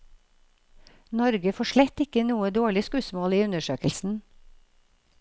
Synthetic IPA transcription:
nɔɾɡəfɔʃɭɛt̪ɪkənuːəd̪oːɭɪskʉːsmoːliːʉnəʃøːkəlsn̩

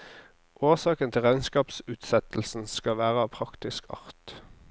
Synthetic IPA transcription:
ʔoːsɑːkənt̪ʰɪlʁæɪnskɑːpsʉːt̪sɛt̪l̩sn̩skɑʋæːʁəɑːʋpʰʁɑkt̪ɪskʰɑ̰ʁt̪

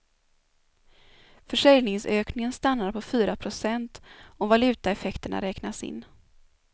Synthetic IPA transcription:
fœʂɛljnɪŋsøːknɪŋənst̪anːaɾpʰɔfyːɾapʰɾʊsɛnt̪ɔvalʉ̟ːt̪aɛfɛkt̪əɳa̰ɾɛːknasɪ̰nː

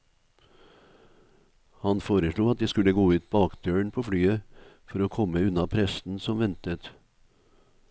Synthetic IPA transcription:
hɑnfoːɾəʃɭuːɑt̪̚d̪iːskʉləɡoːʉːt̪̚bɑːkd̪̥øːɳpʰoːflyːə | fɔɾoːkʰɔməʉnɑpʰɾɛsn̩sɔmʋɛnt̪ət̪

